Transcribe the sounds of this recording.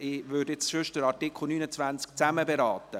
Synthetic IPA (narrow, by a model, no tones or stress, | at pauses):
ɪʋʏɾdjet͡sʃʏʃdəɾɑɾtɪkχl̩nyːnət͡svænt͡skt͡sæməbeɾɑːt̪ə